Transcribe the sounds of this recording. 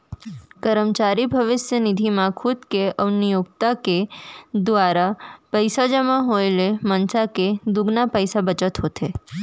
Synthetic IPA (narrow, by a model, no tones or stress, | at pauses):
kəɾəmt͡ʃaɾibʱəʋɪsjənɪd̪ʱimãkʰʊd̪keəʋnijoɡ̚t̪aked̪ʋaɾapəjsad͡ʒəmãɦoelemənsaked̪ʊɡnapəjsabət͡ʃət̪ɦot̪ʰe